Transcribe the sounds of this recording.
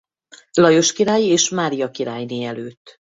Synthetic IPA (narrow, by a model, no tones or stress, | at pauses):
lɒjo̞ʃkiɾaːjeːʃmaːɾijɒkiɾaːjneːɛløːt̪ː